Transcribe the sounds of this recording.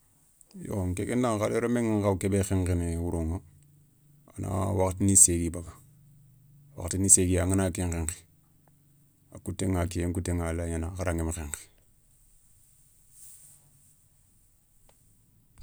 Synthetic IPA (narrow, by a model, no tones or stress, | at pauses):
jo̰ŋkekendaŋxaleɾomeŋaŋkabkebexeŋkeniwuɾoŋa | ana̰waktiniseɡibaɡa | wa̰ktiniseɡiaŋanakiŋkeŋke̥ | akutːeŋakeeŋkutːeŋalaɲanaxaɾaŋemexeŋke̥